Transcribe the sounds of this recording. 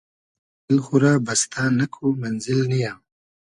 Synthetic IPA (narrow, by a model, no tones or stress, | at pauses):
lxuɾabast̪ʰaːnakʰumanzɪlnija